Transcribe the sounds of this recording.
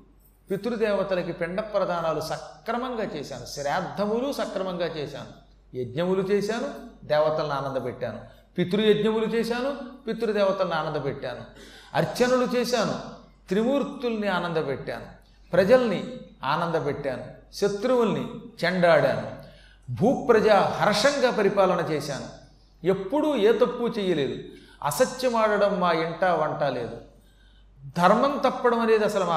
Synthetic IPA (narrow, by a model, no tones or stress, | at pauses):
pit̪uɾud̪ɛːʋɐt̪ɐlɐkipeɳɖɐpɾɐd̪ʱaːnaːlusɐkɾɐmɐŋɡaːt͡ʃɛːʃa̰ːnuʃɾɛːd̪ʱːɐmulusɐkɾɐmɐŋɡaːt͡ʃɛːʃa̰ːnu | jed̪ɲɐmulut͡ʃeːsaːnud̪ɛːʋɐt̪ɐlɐniaːnɐnd̪ɐpeʈːaːnu | pit̪uɾujed̪ɲɐmulut͡ʃɛːʃaːnupit̪uɾud̪ɛːʋɐt̪ɐlɐniaːnɐnd̪ɐpeʈːaːnuɐ̰ɾt͡ʃɐnulut͡ʃeːʃaːnu | t̪ɾimuːɾt̪ːulɐniaːnɐnd̪ɐpeʈːa̰ːnu | pɾɐd͡ʒɐlɐniaːnɐnd̪ɐpɛʈːaːnuʃet̪ɾuwulnit͡ʃɛɳɖaːɽa̰ːnu | bʱuːpːɾɐd͡ʒaːɦɐɾɐʂɐŋɡaːpɐɾipaːlɐnɐt͡ʃɛːʃaːnu | e̞pːuɽueːt̪ɐpːut͡ʃɛːjɐle̞ːd̪u | ɐ̰sɐt͡ʃjɐmaːɽɐɽɐmːaːiɳʈaːʋɐɳʈaːlḛːd̪u | d̪ʱɐɾmɐnt̪ɐpːɐɽɐmɐne̞ːd̪iɐsɐlɐmaː